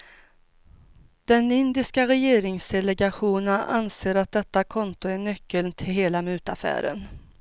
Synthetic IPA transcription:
d̪̥ɛnɪnd̪ɪskaɾɛjeːɾɪŋsd̪ɛlɛɡaɧuːnənʔanseːɾat̪̚d̪ɛt̪ːakʰɔnt̪ʊæɳœkːəlnt̪ʰɪlɦeːlamʉ̟ːt̪afæ̰ːɾə̰n

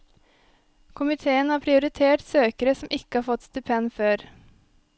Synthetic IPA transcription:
kʰʊmɪt̪ʰeːənhɑːpʰɾɪʊɾɪt̪ʰeːʈsøːkəɾəsɔmʔɪkːəhɑːɾfɔt̪ːst̪ʉpʰɛnføːɾ

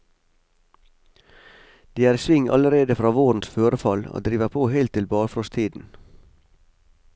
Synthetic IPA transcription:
d̪̥iːæːɾsʋɪŋʔɑ̰ləɾeːd̪əfɾɑːʋoːɾn̩sføːɾəfɑlo̰ːd̪ɾiːʋəpʰoːheɪlt̪ːɪlbɑːɾfɾɔst̪ʰiːd̪n̩

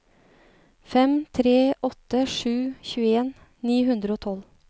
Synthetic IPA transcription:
fɛmt̪ʰɾeːʔɔt̪əʂʉːçʉːəeːn | niːɦʉnd̪ɾəoːt̪ʰɔl

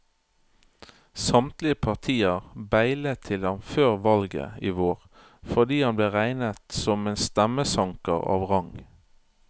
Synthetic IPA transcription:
sɑmt̪lɪəpʰɑʁt̪ʰiːəʁbæɪlət̪ʰɪlɑnføːʁʋɑlɡə̰iːʋoːʁ | fɔʁd̪iːhɑnbleːʁæɪnət̪sɔmeːnst̪æməsɑŋkə̰ʁɑ̰ːʋʁɑŋ

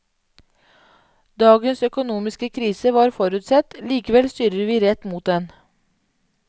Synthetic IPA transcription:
d̪ɑːɡənsœkʊnuːmɪskəkʰɾiːsəʋɑːɾfɔɾʉːt̪sɛt̪liːkəʋɛlst̪yːɾəɾʋiːɾɛt̪muːt̪̚d̪ɛn

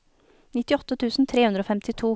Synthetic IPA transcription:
nɪt̪ɪɔt̪ːət̪ʰʉːsn̩t̪ʰɾeːʉnd̪ɾoːfɛmt̪ɪt̪ʰuː

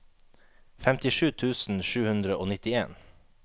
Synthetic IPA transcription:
fɛmt̪ɪʃʉːt̪ʰʉːsn̩ʃʉːhʉnd̪ɾəʔoːnɪt̪ɪḛːn

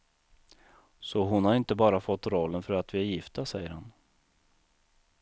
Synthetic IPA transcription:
sɔɦʊnhaɾɪnt̪əbɑːɾafɔt̪ːɾɔlːənfœɾat̪vɪæɾjɪft̪asɛjːəɾhan

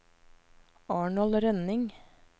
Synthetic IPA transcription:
ɑːɳɔlɾɛnɪŋ

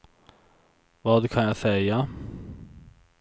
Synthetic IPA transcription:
vɑːd̪kʰanjasɛja

